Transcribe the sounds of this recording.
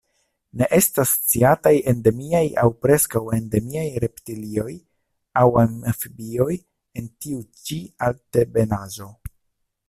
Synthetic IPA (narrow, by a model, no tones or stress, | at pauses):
ne̞ʔe̞stast͡siataje̞nde̞miaja̰wpɾe̞skawe̞nde̞miajɾe̞ptilio̞j | awanfibio̞j | e̞ntiut͡ʃialtebe̞nazo̞